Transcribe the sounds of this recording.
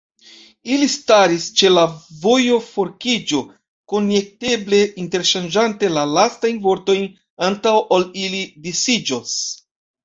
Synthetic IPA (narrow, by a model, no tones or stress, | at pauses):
ilistaɾist͡ʃe̞lavo̞jo̞fo̞ɾkid͡ʒo̞ | ko̞nje̞k̚te̞ble̞ʔinte̞ɾʃand͡ʒante̞lalastajnvo̞ɾto̞jn | antawʔolilidisid͡ʒos